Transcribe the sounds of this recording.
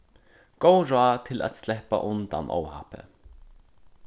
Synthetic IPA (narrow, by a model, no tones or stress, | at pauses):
ɡ̥owɹɑːt̪ʰɪlʔæ̰t̪slɛpa̰ʔʊnd̪a̰nʔo̰wha̰pə̰